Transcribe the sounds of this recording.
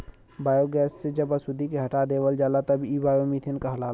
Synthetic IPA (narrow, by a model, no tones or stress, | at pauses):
baːjoɡɛːsːed͡ʒɐbɐsud̪ikeɦɐʈad̪eːʋəld͡ʒaːlat̪ɐbibaːjomit̪ʰɪnkɐɦla